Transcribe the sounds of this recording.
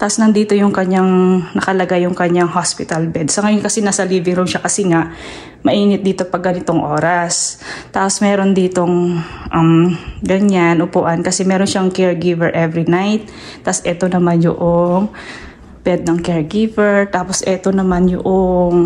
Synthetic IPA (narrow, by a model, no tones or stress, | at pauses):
t̪aʔsnɐnd̪iːt̪o̞jʊŋkɐɲaŋnɐkɐlɐɡajʊŋkɐɲaŋɦaspɪt̪ɐlbɛd̪sɐŋɐjonkɐsɛnasɐliːbɪŋɾowʃakɐsɪŋaʔ | mɐʔiːŋɪt̪̚d̪iːt̪o̞pɐɡɐnɪt̪o̞ŋʔo̞ːɾɐst̪aːpo̞smɛːɾo̞nd̪iːt̪o̞ŋʔɐmɡɐɲanʔʊpuːʔɐnkɐsɛmɛːɾo̞nʃaŋkɛɹɡivɛɹʔɛvɾinajt̪̚ː | asʔɛt̪o̞nɐmanjʊ̰ʔoŋ | b̥ɛd̪̚nɐŋkɛɹɡivɛɹt̪aːpo̞sʔɛt̪o̞nɐmanjʊ̰ʔoŋ